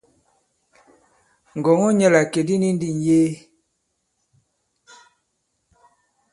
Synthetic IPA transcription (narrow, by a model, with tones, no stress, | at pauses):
ŋ̩˨ɡɔ˨ŋɔ˦ɲɛ˦˨la˨ke˨di˦ni˦n˦di˦˨n˨jeː˦